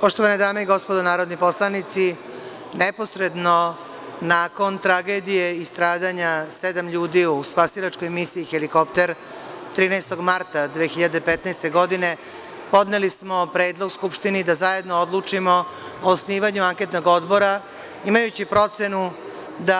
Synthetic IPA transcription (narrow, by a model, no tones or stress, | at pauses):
po̞ʃt̪o̞ʋaned̪aːmeiɡo̞spod̪onaːɾo̞d̪nipo̞slˠanit̪si | nepo̞sɾe̞d̪no̞ | naːko̞nt̪ɾaɡe̞d̪ije̞ist̪ɾaːd̪aɲase̞d̪amʎuːd̪iuspasiɾat͡ʂkojmisiiːxeliko̞pt̪e̞ɾ | t̪ɾiːnɛjst̪o̞ɡmaɾt̪ad̪ʋeːxiʎad̪e̞pet̪naɛːst̪e̞ɡo̞d̪ine̞ | po̞d̪ne̞lismo̞pɾe̞ːd̪lˠo̞ɡskupʃt̪inid̪azaje̞d̪nood̪lˠut͡ʂimo̞oːsniːʋaɲuaŋke̞t̪no̞ɡo̞d̪bo̞ɾa | imajut͡ɕipɾo̞t̪se̞nu | d̪a